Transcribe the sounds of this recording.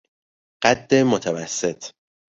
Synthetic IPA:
ɢ̥æd̪ːemot̪ʰævæsːe̞t̪ʰ

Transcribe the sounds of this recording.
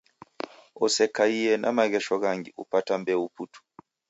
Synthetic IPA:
ɔsɛkaijɛnʔa̰maɣɛʃɔɣaŋɡḭʔṵpatambɛuputʰu̥

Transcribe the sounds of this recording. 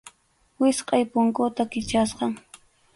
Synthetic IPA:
wɪsqʼɑjpʊŋkʊt̪akɪt͡ʃasqɑŋ

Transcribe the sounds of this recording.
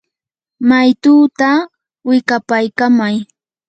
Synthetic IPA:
majt̪uːt̪a | wɪkapajkamaj

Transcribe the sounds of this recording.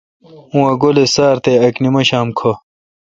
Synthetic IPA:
ũwɐɡolesaːɾt̪eɐknimɐɕaːmkʰo

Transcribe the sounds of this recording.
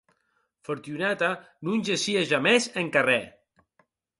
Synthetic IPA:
foɾt̪junɛt̪a | nunʲʒeʃiaʒamɛzeŋkarɛ

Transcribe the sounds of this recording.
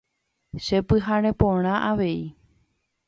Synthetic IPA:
ʃepɨɦaɾ̃ẽpõɽ̃ãʔaʋe̞i

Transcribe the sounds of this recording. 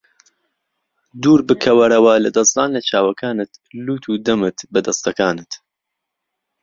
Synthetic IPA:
d̪uːɾbɨkʰɐwɐɾɐwɐlɐd̪ɐsd̪aːnlɐt͡ʃʰaːwɐkʰaːnɨt̪luːt̪ʰuːd̪ɐmɨt̪bɐd̪ɐst̪ɐkaːnɨt̪

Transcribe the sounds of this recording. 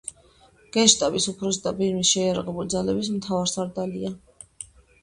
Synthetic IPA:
ɡ̥ɛʃt̪ʼabisupʰɾɔsd̪abiɾmisʃɛjaɾaʁɛbulid̪zalɛbis̬mt̪ʰavaɾsaɾd̪alia

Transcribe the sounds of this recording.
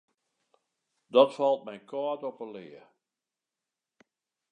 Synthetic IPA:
dɔtfɔlˠt̚mɛjnkʰɔːtɔpəlɪːə

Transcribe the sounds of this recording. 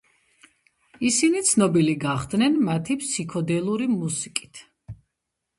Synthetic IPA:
isinit̪sʰnɔbiliɡaχd̪nɛnmat̪ʰipʰsikʰɔd̪ɛlˠuɾimusikʼi̥t̪ʰ

